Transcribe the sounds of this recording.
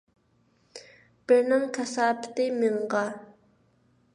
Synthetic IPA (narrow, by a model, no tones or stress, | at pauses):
b̥ɪɾnɪŋkʰɛsɑːpʰɪ̥t̪ɪmɪɴʁɑ